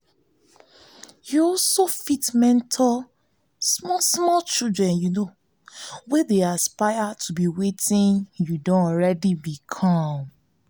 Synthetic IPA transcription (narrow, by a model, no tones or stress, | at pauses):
juɔsofitmɛ̃ntʰɔl | smɔsmɔlt͡ʃildɹɛ̃njuno | wedeaspajatʰubiwetĩnjudɔ̃ɔɹɛdibikʰɔm